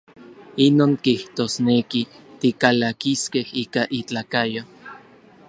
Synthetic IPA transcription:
inoːŋkiht̪oːsnekit̪ikalakiskehiːkaʔit͡ɬaːkajo

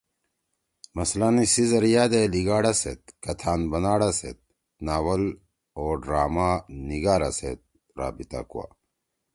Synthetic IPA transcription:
mɐslanisizɐɾjaːd̪eliɡaːɽasḛt̪̚kɐt̪ʰaːnbɐnaːɽasḛt̪̚ | naːwɐl | oːɖɾaːmaniɡaːɾasḛt̪̚ | ɾa̰ːbit̪a̰ːkṵwa̰

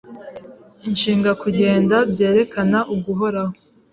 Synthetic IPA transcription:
inʃiːŋɡakuɟe̞ːndabje̞ːɾe̞kʰanaʔuɡuɦo̞ɾaho

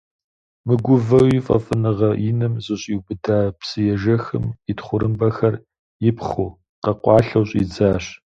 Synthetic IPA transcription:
mɨɡʷʊvɐwifʼɐ̰fʼɨnɨʁɐʔɪnɨmzɨɕʼiwbɨdaːpsɨjɛʒɐxɨmitχʷʊɾɨmbɐxɐr | jɪpχuː | qɐqʷɑːɬɐwɕʼid͡zaːɕ

